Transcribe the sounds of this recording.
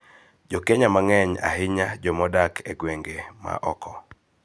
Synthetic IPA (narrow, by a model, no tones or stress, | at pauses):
d͡ʒokeɲamaŋɛɲa̰hɪɲad͡ʒɔmɔdakʰeɡweŋɡema̰ʔɔkɔ